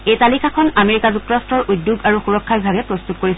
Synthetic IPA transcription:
ejtalikʰakʰɔnameɹikazuk̚tɔɹastɹɔɹʔudjuɡaɹuxuɹɔkʰːabibʱaɡɛpɹɔst̪ut̚koɹisɛ

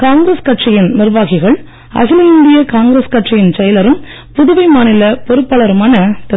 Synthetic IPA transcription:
kaːŋɡɾɐskɐʈʂɪjɪnnɪrʋaːɣɪɣɐɭ | ɐ̰ɣɪlɐɪnd̪ɪjɐkaːŋɡɾɐskɐʈʂɪjɪnt͡ʃɐjɐlɐɾɯm | pʊðɯʋɐɪmaːnɪlɐpɔɾɯpːɐɭɐɾɯmaːnɐt̪ɐ

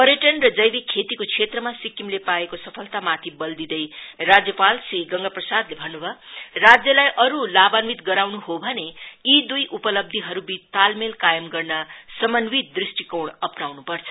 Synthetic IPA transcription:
pʌɾjeʈʌnrʌd͡zʌjbikʰet̪ikot͡sʰet̪rʌmasikːimlepaekosʌpʰʌlt̪amat̪ʰibʌld̪id̪ʌjrad͡zjʌpalsiɡʌŋɡʌprʌsad̪lebʱʌnːubʱʌrad͡zjʌlajʔʌɾulabanwit̪ɡʌɾawnuɦobʱʌneid̪ujʔupʌlʌb̚d̪ʱiɦʌɾubit̪almelkajʌmɡʌrnʌsʌmʌnwit̪̚d̪risʈikowɳʌpnawnupʌrt͡sʰʌ̥

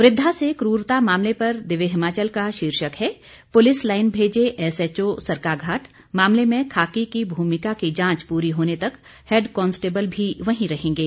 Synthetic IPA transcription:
ʋɾɪd̪ʱːasekɾuːɾt̪amaːmlepɐɾd̪ɪʋeɦɪmaːt͡ʃəlkaʃiːɾʃəkɦɛː | pʊlɪslaːɪnbʱeːd͡ʒeʔɛːsɛt͡ʃosɐɾkaːɡʱaːʈ | maːmlemẽkʰaːkikibʱuːmɪkakid͡ʒãːt͡ʃpuːɾiɦoːnet̪ɐk | heːɖkɔ̃ːnsʈeːbəlbʱiʋɐɦĩɾɐɦẽːŋɡeː

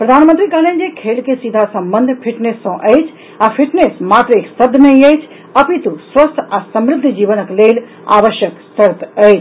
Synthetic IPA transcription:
pɾɐd̪ʱaːnmənt̪ɾikalẽnd͡ʒekʰeːlkesid̪ʱasɐ̃mbənd̪ʱpʰɪʈnesːɔ̃ʔət͡ʃʰ | apʰiʈnesmaːt̪ɾəeːksɐd̪ʱnɐɦĩəjt͡ʃʰ | ɐpit̪uswəst̪ʰasəmɾɪd̪ʱːd͡ʒiːʋənəkleːl | a̰ːʋəʃjəksəɾt̪əjt͡ʃ

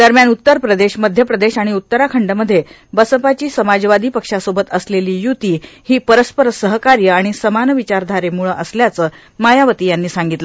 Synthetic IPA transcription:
d̪əɾmjanut̪ːəɾpɾəd̪eɕməd̪ʱjəpɾəd̪eɕaɽ̃iut̪ːəɾakʰəɳɖəməd̪ʱje | bəsəpat͡ɕiːsəmad͡ʑʋad̪ʱiːpəkʂasobət̪əsleliːjut̪iːhiːpəɾəspəɾəsəɦəkaɾjəaɽ̃isəmanəʋit͡ɕaɾd̪ʱaɾemuɭəʔəsljat͡səː | majaʋət̪iːjanːiːsaŋɡit̪lə

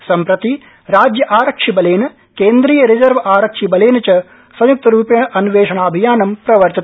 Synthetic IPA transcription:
sɐmpɾɐt̪i | ɾaːd͡ʒjɐʔaːɾɐkʂibɐleːnɐ | keːnd̪ɾiːjɐɾid͡ʒɐɾʋɐaːɾɐkʂibɐleːnɐt͡ʃɐ | sɐjuk̚t̪ɐɾuːpjɐɳɐʔɐnuʋeːʂɐɳaːɐbʱijaːnɐmpɾɐʋɐɾt͡ʃ̪ɐt̪

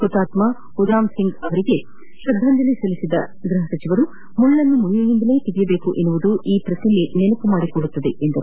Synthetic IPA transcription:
kut̪ːaːt̪mɐ | ud̪aːmsiŋɡɐʋɐɾiɡe̞ | ʃɐd̪ʱːɐnd̪ɐlisɐlisid̪ɐ | ɡɾɐɦɐsɐt͡ʃiʋɐɾu | muɭːɐnːumuɭijujind̪ɐle̞ːt̪iɡijɐbe̞ːkuʔenːuʋud̪uʔiːpɾɐt̪ilːinenɐpumaːɽikɔɽut̪ːɐd̪e̞ʔend̪ɐɾṵ

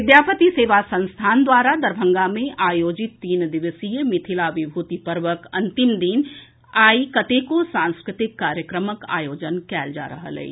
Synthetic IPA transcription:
ʋɪd̪jaːpət̪iseːʋasə̃nst̪ʰaːnd̪waːɾad̪əɾbʱə̃ŋɡamẽʔaːjoːd͡ʒɪt̪ːiːnd̪ɪʋəsijəmɪt̪ʰɪlaʋɪbʱuːt̪ipəɾʋəkɐ̃nt̪ɪmd̪iːn | aːikət̪ekosãːnskɾɪt̪ɪkːaːɾjəkɾəməka̰ːjoːd͡ʒənkɛːld͡ʒa̰ːɾə̰ɦə̰lɛ̰

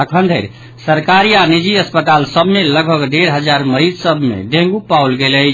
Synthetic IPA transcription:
əkʰənd̪ʱəɾ | səɾkaɾianid͡ʒiəspət̪alsəbʱmeləɡbʱəɡɖeɾɦəd͡ʒaɾməɾid͡ʒsəbʱmḛɖẽŋɡupawlɡeləj

